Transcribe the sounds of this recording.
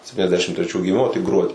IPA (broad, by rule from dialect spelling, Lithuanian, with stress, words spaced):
sʲɛpʲtʲiːnʲɛzʲˈdʲæːʃʲɪm tʲrʲɛˈt͡ʃʲuː ɡʲɪˈmʲɪmoː tʲɪk ˈɡruɔdʲiː